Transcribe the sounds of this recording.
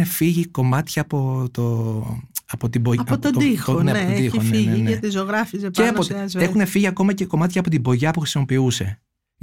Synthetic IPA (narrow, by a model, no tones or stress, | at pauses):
efiʝiko̞mɐt̪çɐːpo̞t̪o | ɐpot̪iboɐɐood̪ixoneɐneod̪ixoneiʝinɐt̪izoɣɾɐfizeeɐot̪ɐzexune̞fiʝiɐko̞mɐce̞ko̞mɐt̪çɐːpo̞t̪ibo̞ʝɐpuxɾisimo̞piuse̞